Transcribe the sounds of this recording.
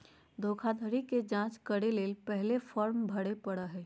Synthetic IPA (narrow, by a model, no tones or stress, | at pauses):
d̪ʱoːkʰad̪ʱəɾiked͡ʒãːt͡ʃkəɽeleːlpɛɦlefʰɔːɾmbʱəɽepəɽəɦɛː